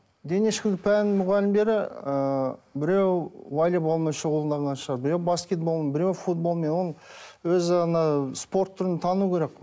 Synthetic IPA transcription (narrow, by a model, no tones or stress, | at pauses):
d̪e̞neʃkʲɪd̪ɪpʰænmʊʁɑlɪmbd̪e̞ɾɪəbɪɾewvalʲibolˠmɑʃəʁulˠənd̪ɑʁənɑnʃəʁɑɾbɪɾewbaskʲe̞t̪̚bo̞lˠmɑbɪɾewfut̪̚bolˠmenwo̞lˠwɵzɪɑnɑspo̞ɾt̪ʰːʏɾɪnt̪ʰɑnukʲʰe̞ɾe̞k